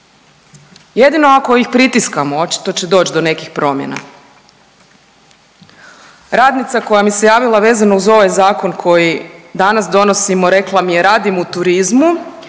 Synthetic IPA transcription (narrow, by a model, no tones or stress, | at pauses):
je̞d̪ino̞ako̞ixpɾit̪iskamoo̞t͡ʃi̥t̪o̞t͡ɕe̞d̪o̞ːt͡ʃd̪o̞ne̞kixpɾo̞mjḛna̰ | ɾaːd̪nit̪sako̞jamise̞jaːʋilˠaʋe̞ːzanouzo̞ʋajzaːko̞nkʰo̞jid̪anasd̪o̞no̞simo̞ɾe̞klˠamijeɾaːd̪imout̪uɾizmu